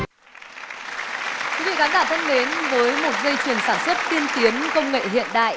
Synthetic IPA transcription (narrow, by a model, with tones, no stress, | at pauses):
kwi˨˦vḭ˧˨kaː˨˦nkaː˧˩t̪ʰə˧ŋle˨˦nvəː˨˦jmo˨˩t̚zə˧jt͡ɕwi˨˩ənsaː˧˩nswə˦˥t̚t̪i˧ənt̪i˨˦ənkə˧wŋ͡mŋḛ˧˨ɦḭ˧˨ənɗa̰ː˧˨jʔ